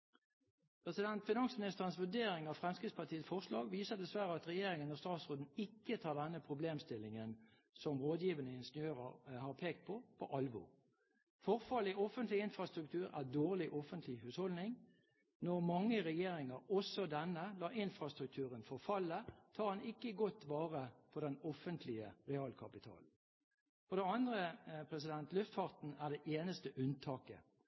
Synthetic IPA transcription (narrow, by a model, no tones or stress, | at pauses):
pʰɾʁɛsɪd̪ɛnt̪fɪnɑŋsəmɪnɪst̪əʁənsʋʉd̪eːɾɪŋɑʋfʁɛmskʁɪt̪spʰɑt̪ʰiːətsfɔʁʂlɑːɡʋiːsəd̪ɛsʋæɾəɑt̪ʁɛjeːʁɪŋənɔst̪ɑːt̪sʁoːd̪n̩ɪkːət̪ʰɑːʁd̪ɛnəpʰʁʊbleːmst̪ɪlːɪŋən | sɔmʁoːd̪jiːʋənəɪnʂnøːʁəhɑʁpʰeːkt̪̚pʰɔpʰɔʔɑlʋɔ̰ː | fɔʁfɑlɪʔɔfənt̪lɪɪnfʁɑst̪ɾʉk̚t̪ʰʉːɾæʁd̪oːʁlɪʔɔfənt̪ʰlɪhʉːshɔld̪nɪŋ | nɔʁmɑŋːəʁɛjeːɾɪŋəɾɔsɔd̪ɛnːəlɑːʔɪnfɾɑst̪ɾʉk̚t̪ʰʉːʁənfɔʁfɑlːət̪ʰɑːɑnɪkːəɡɔt̪ːʋɑːʁəpʰɔd̪ɛnɔfənt̪ʰlɪəʁɛɑːlkʰɑpɪt̪ʰɑ̰ːl̩ | fɔʁd̪ɛɑnd̪ʁəpʰɾɛs̬ɪd̪ɛnt̪lʉft̪fɑʁt̪n̩æd̪ɛʔeːnəst̪əʔʉnt̪ʰɑːkə̰